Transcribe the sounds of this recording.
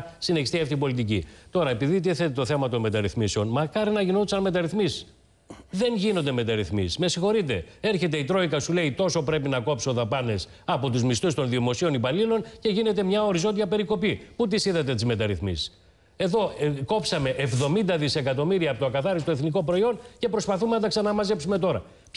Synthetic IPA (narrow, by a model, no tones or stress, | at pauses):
sineçist̪iɐft̪ipo̞lit̪̬icḭt̪o̞ɾɐepiðit̪̬iθe̞t̪et̪o̞θe̞mɐt̪o̞nme̞t̪ɐɾiθmiseo̞nmɐkɐɾinɐʝino̞t̪isɐnme̞t̪ɐɾiθmis | ðe̞nʝinond̪eme̞t̪ɐɾiθmisisme̞sixo̞ɾit̪e̞e̞ɾçe̞t̪e̞it̪ɾo̞ikɐsule̞it̪o̞so̞pɾe̞pinɐko̞psoðɐpɐne̞s | ɐpo̞t̪uzmist̪ust̪o̞nðiomo̞sio̞nipɐlilo̞nce̞ʝine̞t̪e̞mɲɐo̞ɾizo̞nd̪iɐpe̞ɾiko̞piput̪̬isiðɐt̪̬e̞t̪izme̞t̪ɐɾiθmḭsi̥s | e̞ðo̞ko̞psɐme̞ʔevðo̞mind̪ɐðise̞kɐt̪o̞miɾiɐːpot̪oɐkɐθɐɾist̪oeθniko̞pɾo̞io̞nce̞pɾo̞spɐθumenɐt̪ɐksɐnɐmɐzepsume̞t̪o̞ɾɐ̰